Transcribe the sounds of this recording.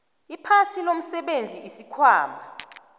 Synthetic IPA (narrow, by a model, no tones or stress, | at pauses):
ipʰansʰilom̩sɛɓend͡zʱiisikʰwaːmbʱa